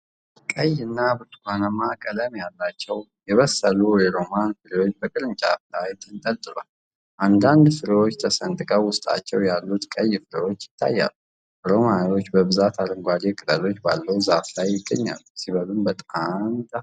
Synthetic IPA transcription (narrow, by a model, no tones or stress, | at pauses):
kʼəjɨnːabɨɾt̪ʼkanəmakʼələmjalːat͡ʃːɛw | jɛβəsːəlujɛɾo̞manfɨɾewo̞t͡ʃːbəkʼɨlɨnt͡ʃʼaflajt̪ʰʼɨnt̪ʼəlt̪ʼɨlal | ʔand̪and̪fɨɾiwo̞t͡ʃːt̪ʰəsənt̪ʼɨkʼəwʊst̪ʼa̰t͡ʃːɛwjalːut̪kʼəjːfɨɾəwo̞t͡ʃːjɪ̥t̪ʰːa̰jːa̰lːu | ɾo̞manwo̞t͡ʃːbəbɨzat̪ʰalɨŋɡʷad͡ʒ̪ekʼɨlʼəlo̞t͡ʃːba̰lːəuzaflajːɪɡːəɲːa̰lːusiβəlɨmbət̪ʼamt̪a